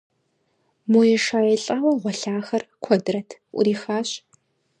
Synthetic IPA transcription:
mojɛʂaːjɛɬʼɐwɐʁʷɔɬaːxɐrkʷʰɔdɨɾɐtʰʔʷʊ̰ɾiːxaːɕ

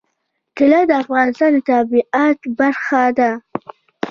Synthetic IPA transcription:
kɪlad̪əafɣɑnɪst̪ɑnd̪ət̪ɑbiʔat̪baɾxad̪a

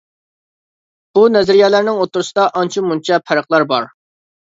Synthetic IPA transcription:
b̥unɛzɪɾijɛːlæɾnɪŋot̪ːʊɾusɨd̪ɑʔɑnt͡ʃʰimunt͡ʃʰɛpʰæɾəχlˠɑɾbɑɾ

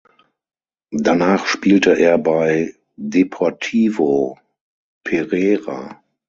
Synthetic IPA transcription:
danaːχʃpiːltəʔeːɐbaɪ | depʰɔɐtʰiːvo | pʰɛʁɛːʁa̰

